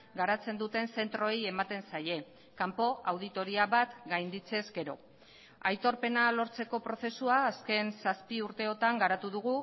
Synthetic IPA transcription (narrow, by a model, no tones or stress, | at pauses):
ɡaɾat͡se̞nd̪ut̪e̞nse̞nt̪ɾo̞je̞mat̪e̞nsaje̞ | kampo̞awð̞it̪o̞ɾiaβat̪ɡajnd̪it͡se̞zɡe̞ɾo̞̰ | ajt̪o̞ɾpe̞nalo̞ɾt͡se̞ko̞pɾo̞θe̞suaːske̞nsaspiuɾt̪e̞o̞t̪aŋɡaɾat̪uðuɣ̞u